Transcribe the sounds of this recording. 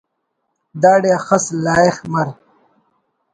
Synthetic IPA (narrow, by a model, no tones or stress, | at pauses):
d̪aːɖeɐxɐslaːexmɐɾ